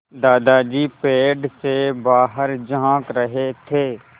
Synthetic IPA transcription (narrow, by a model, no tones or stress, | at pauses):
d̪aːd̪aːd͡ʒiːpeːɖseːbaːɦəɾd͡ʒãːkɾəɦeːt̪ʰeː